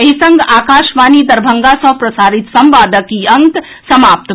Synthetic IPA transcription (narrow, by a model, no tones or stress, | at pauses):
ɐɦisɐŋɡaːkaːʃʋaːnid̪ɐɾbʱɐŋɡasɐ̃pɾɐsaːɾit̪sɐmʋaːd̪əkiɐŋk̪ | sɐmaːp̚t̪